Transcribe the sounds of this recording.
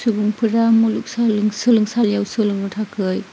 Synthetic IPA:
suɡuŋpʰɯɾamuluk̚salɯŋsɯlɯŋsaljawsɯlɯŋɯtʰakʰɯj

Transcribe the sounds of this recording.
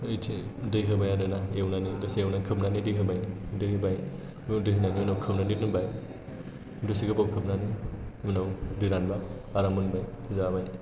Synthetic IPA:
ɯjtʰedɯjɦɯbajadɯnaewnanidɯsiewnakʰɯpnanidɯjɦɯbajdɯɦibaj | dɯɦinanibɯnawkʰɯpnanit̚nɯbaj | dɯsiɡɯbawkʰɯp̚nanimɯnawdɯɾanbaːɾamɯnbaj | zabaj

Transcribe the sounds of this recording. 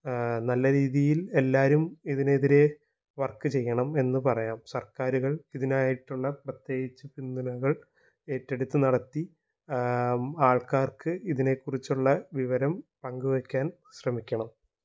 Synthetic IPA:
nɐlːɐɾiːðijile̞lːaːɾumiðineðiɾe̞ | ʋɐrkːɨt͡ɕe̞jːɐɳɐme̞nːɨpɐrɐjaːmsɐrkaːɾuɣɐɭiðinaːjiʈːuɭːɐprɐt̪je̞ːɣit͡ɕːɨpind̪unɐɣɐɭ | e̞ːtːe̞ɽut̪ːɨnɐɽɐt̪ːi | aːɭkaːrkɨiðine̞kːurit͡ɕːuɭːɐʋiʋɐɾɐmpɐŋɡuʋɐkʲːaːn | ɕrɐmikʲːɐɳɐm

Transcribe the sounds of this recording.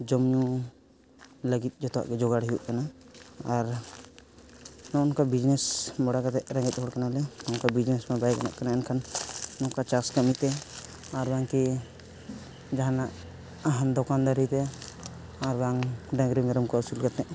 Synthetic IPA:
d͡ʒɔmɲu | ləɡit̪̚ˀd͡ʒɔt̪ɔa̰ʔɡɛd͡ʒɔɡaɽɦijuʔkanaː | ɾ | nɔ̃ɔnkabid͡ʒnɛsmɔɽakat̪ɛʔɾɛ̃ŋɡɛt̪̚ˀɦɔɽkanalɛnɔnkabid͡ʒnɛsmɛbajkana̰ʔkanaɛnkʰannɔkat͡ʃaskamit̪ɛ | aɾbaŋki | d͡ʒaɦanaʔ | aɦand̪ɔkand̪aɾit̪ɛ | aɾbaŋɖãɡɾimɛɾɔmkɔusulkat̪ɛʔ

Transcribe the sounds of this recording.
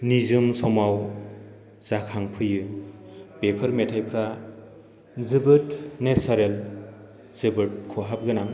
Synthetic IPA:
nizɯmsɔmaw | zakʰaŋpʰɯjɯ | b̥epʰɯɾmetʰajpʰɾa | zɯbɯtnesaɾel | zɯbɯt̚kʰoɦap̚ɡɯnaŋ

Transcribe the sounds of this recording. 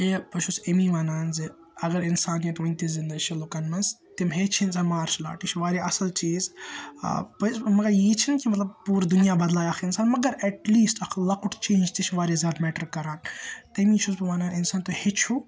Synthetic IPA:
epɐt͡ʃʰusemiʋaːnaːnzɨ | ɐɡɐɾɪnsaːnjit̪ʋunʲt̪izind̪ɐʃʰilokɐnmɐzt̪imɦeːt͡ʃʰinzɐmaːɾʃla̰ːʈit͡ʃʰʋaːɾeʔɐsɐlt͡ʃiːz̰ | pɐsmɐɡɐɾjiːt͡ʃʰinkimɐt̪lɐb̚puːɾd̪unijaːbɐd̪laːjɐxʰɪnsaːnmɐɡɐɾɛʈliːsʈɐkʰlɐkʊʈt͡ʃẽːnd͡ʒt̪it͡ʃʰʋaːɾeːzʲaːd̪mɛːʈɐɾkɐɾaːnt̪ɐmit͡ʃʰusbiʋaːnaːnɪnsaːnt̪ohet͡ʃʰu

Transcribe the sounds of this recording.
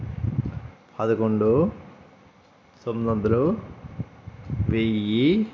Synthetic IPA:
pʰɐd̪ɐkoɳɖo | somd̪ɐnd̪ɐlo | ʋeji

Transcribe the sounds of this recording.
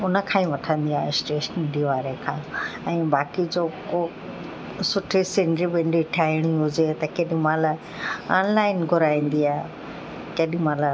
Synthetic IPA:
ʊnə̆kʰãːĩʋɐʈʰə̃nd̪iaːɦesʈeːʃənɪ̃ɳɖiʋaːɾekʰãːɛ̃ːbaːkid͡ʑoːko | sʊʈʰisɪ̃ɳɖɾibɪ̃ɳɖiʈʰaːɪɽ̃iɦʊd͡ʑet̪ɐkeːɗĩmãːla | aːnlaːɪnɡʱʊɾaːĩːn̆d̪iaːɦe | keɗĩmãːla

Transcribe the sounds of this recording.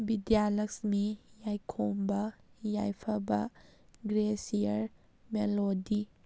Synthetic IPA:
bidialɐksmijajkʰombɐjajpʰɐbɐɡɾesiɐɾ | melodi

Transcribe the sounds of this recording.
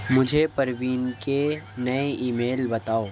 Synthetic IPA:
mʊd͡ʒʱepɐɾʋiːnkenɐeʔiːmeːlbɐt̪aːoː

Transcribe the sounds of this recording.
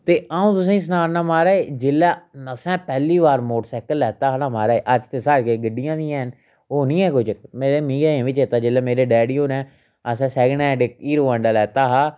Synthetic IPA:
t̪eːaːũːt̪ʊs̬ãːĩːs̬ənaːɾnaːmaːɾaːeːd͡ʒɪlaːnəsɛ̃ːpɛːliːʋaːɾmoːʈsɛːkəlːɛːt̪aːɦnaːmaːɾaːeːʔəd͡ʒt̪eːsaːɾkeːɡəɖijãːd̪iːɛ̃ːn | oːnĩːɛ̃ːkʊd͡ʒmeːɾeːmĩːɡaːãːʋit͡ʃeːt̪aːd͡ʒɪlɛːmeːɾeːɖɛːɖiːɦoːnɛ̃ː | əsɛ̃ːsɛːɡnɛːɖɪk̚iːɾoːəɳɖaːlɛːt̪aːɦaː

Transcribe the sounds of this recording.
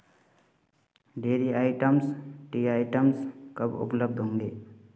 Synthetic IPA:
ɖeːɾiaːɪʈəmsʈiaːɪʈəmskəbʊ̰pləb̚d̪ʱɦõːŋɡeː

